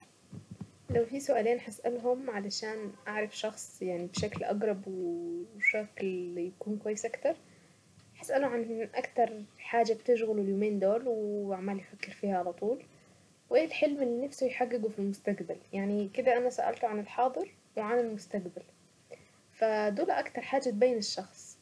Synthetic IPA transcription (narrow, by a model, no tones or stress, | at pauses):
lawfisʊʔaːleːnħasʔalɦʊmʕalaʃaːnʔaʕɾˤɑfʃɑxsˤjaʕnibʃaklʔɑ̰ɡɾˤɑbwɪʃakljakuːnkwajːɪsʔakt̪ɑɾˤ | ħasʔalʊʕanʔakt̪ɑɾˤħaːd͡ʒab̚t̪ɪʃɣɪluɪljoːmeːnd̪oːlwɪʔaʕmaːljfakːɪɾfiːhaʕalɑt̪ˤuːl | wʔeːlħɪlmɪlːinafsʊjħaɡːɪɡufilmʊst̪aqbaljaʕnikɪd̪aʔanasaʔa̰lt̪uʕanɪlħɑːd̪ˤɨɾ | wɪʕanɪlmʊst̪aqbal | fad̪uːlaʔakt̪ɑɾˤħaːd͡ʒabeːnɪʃːɑxsˤ